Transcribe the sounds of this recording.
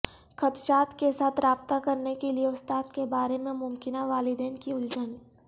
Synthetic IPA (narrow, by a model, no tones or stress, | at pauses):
kɐt̪ʃaːt̪kesaːt̪ʰɾaːb̚t̪akɐɾnekelieʊst̪aːt̪kebaːɾemẽmʊmkɪnaʋaːlɪd̪eːnkiʊld͡ʒən